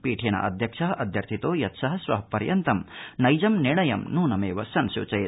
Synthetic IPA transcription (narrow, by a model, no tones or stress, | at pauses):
piːʈʰenɐ̰ʔɐ̰d̪ʱjɐkʂɐɦɐʔɐd̪ʱjɐɾt̪ʰit̪oːjɐt̪sɐɦɐsʋɐ̰ɦɐpɐɾjɐnt̪ɐmnɐjd͡ʒɐmniɳɐjɐ̰mnuːnɐmeːʋɐsɐnsṵːt͡ʃɐj